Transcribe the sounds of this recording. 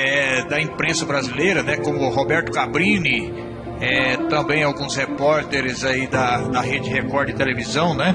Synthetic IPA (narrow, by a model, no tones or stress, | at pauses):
ɛd̪ɐĩpɾẽsɐbɾazilejɾɐnɛkõmʊɦobɛɾt̪ʊkabɾĩnɪ | ɛt̪ɐ̃mbẽj̃awɡũshepɔɾt̪eɾɪzaid̪ɐd̪ɐɦed͡ʒɪɪhekɔɾd͡ʒ̪ɪt̪elevizɐ̃w̃nɛ